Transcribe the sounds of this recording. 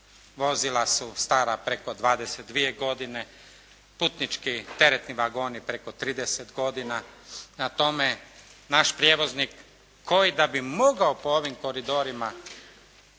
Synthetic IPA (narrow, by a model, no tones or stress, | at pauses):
ʋo̞zilˠasust̪aːɾapɾe̞ko̞d̪ʋaːd̪e̞set̪̚d̪ʋie̞ɡo̞d̪ine̞ | puːt̪nit͡ʃkit̪e̞ɾet̪niʋaɡo̞ːnipɾekot̪ɾiːd̪eset̪ɡo̞d̪inanat̪o̞menaʃpɾjeʋo̞znikʰː | o̞jid̪abimo̞ɡaopooʋimko̞ɾid̪o̞ɾima